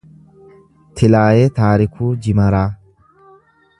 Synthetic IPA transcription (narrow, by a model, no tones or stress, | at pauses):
t̪ʰɪlaːjet̪aːɾɪkʰuːd͡ʒɪmɐɾaː